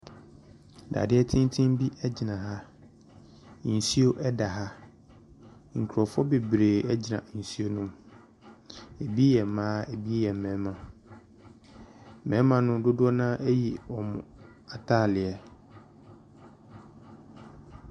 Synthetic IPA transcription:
da̰˨dɪ˦ɛ˦tʰɪ̃˦n˦tʰɪ̃˦m˦bi˦ʔɛ˦d͡ʑɪ˨nã˨ɦa˦˨ | n̩˨si˦o˦ʔɛ˦da˨ɦa˦ | ŋ̩˨kʰu˨ɾɔ˨fɔ˦be˨bɾeː˨ɛ˦d͡ʑi˨nã˨n̩˨si˦o˦nʊ̃˦m | e˨bi˦jɛ˨mãː˦e˨bi˦jɛ˨m̩˨mɛ̃˨˦mã˨ | mɛ̃˨˦mã˨nʊ̃˦dʊ˦dʊ˦ɔ˦nã˦ʔɛ˦ji˨wɔ˨mʊ̃˨ | a˨tʰa˦˨lɪ˨a˨

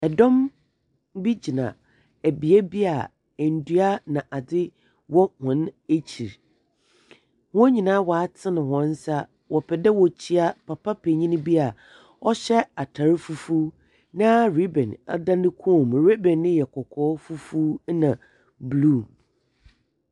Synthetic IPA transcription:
ɛ˨dɔ̃˦m | bi˦d͡ʑi˨nã̰˨ | æ˨bi˨ɛ˦bi˦a˨ | n̩˨du˦a˦nã˨ʔa˨dɪ˦ | wɔ˦hʊ̃˨ne˦t͡ɕʰi˨ɾ | hʊ̃˦ɲĩ˨nãː˦wɔ˨a˦tʰɪ˦nɪ̃˨hɔ̃˨n̩˦sa˦ | wɔ˨pʰɛ˨dɛ˦wɔ˨t͡ɕʰi˦a˦pʰa˨pʰa˦pʰe˨ɲĩ˦nɪ̃˦bi˦a˨ | ɔ˦ɕɛ˦a˨tʰa˨ɾɪ˦fu˦fu˦ | nã˦ɾi˦bɛ̰̃˨na̰˦dã˦nɪ̃˦kʰõ˦˨m˨ɾe˦bɛ̃˨nːɪ̃˦jɛ˨kʰɔ˨kʰɔː˨˦fu˦fu˦nã˨ | blu˦˨

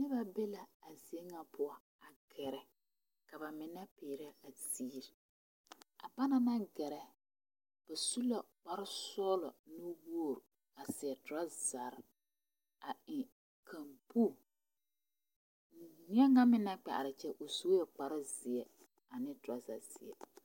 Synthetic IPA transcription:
nɪ˦ba˦be˦la˨a˨zɪ˨e˦ŋa˦pʰʊ˦a˨ | a˨ɡ̥ɛ˨ɾɛ˨ | ka˨ba˨mɪ˨na˦peː˨ɾɛ˦a˨siː˦ɾ | a̰˨ba˦na˦na˦ɡɛ˨ɾɛ˦ | b̥a˨su˦la˨k͡pa˦ɾɪ˦sɔː˦lɔ˨nʊ˦wo˦o˨ɾ | a˨sɪ˨ɛ˨tʊ˨ɾa˦za˨ɾɪ˦ | a˨ɪ˨ | kʰa˨mpu˦˨ | ɲɪ˦ɛ˦ŋa˦mɪ˦na˦k͡pɛ̰˨ʔa̰˨ɪ˨t͡ʃɛ˦ʔo˨so˦jɛ˨k͡pa˨ɾɪ˦zɪ˨ɛ˦ | a˨nɪ˦tʊ˨a˦za̰˨zɪ̰˨ɛ̰˨

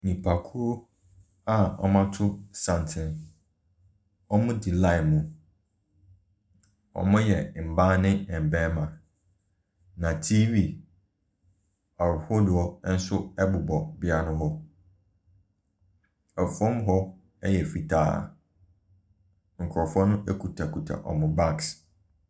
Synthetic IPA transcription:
nĩ˨pʰa˨kʰu˦o˦ | a˦ɔ̰˨mã˦tʰʊ˦sã˨n˨tʰɪ̃˨n | ɔ˦mʊ̃˦di˨lã˦ɪ˨mũ˦ | ɔ̰˨mʊ̃˦jɛ˨m̩˨bã˦nɪ̃˦ɛ˨m̩˨bɛ̃˦mã˨ | nã˨tʰi˦vi˨ | a˨ɾho˦dʊ˨ɔ˦n̩˦sʊ˦ɛ˦bʊ˨bɔ˨bɪ˦a˦nʊ̃˦ɦɔ˦ | ɛ˨fɔ̃˦mɦɔ˦ | ɛ˦jɛ˨fi˨tʰa̰ː˦˨ | ŋ̩˨kʰɾɔ˨fɔ̃˦nʊ̃˦ɛ˦kʰu˨tʰa˨kʰu˨tʰa̰˨ʔɔ̰˨mʊ̃˨ba˦˨ks

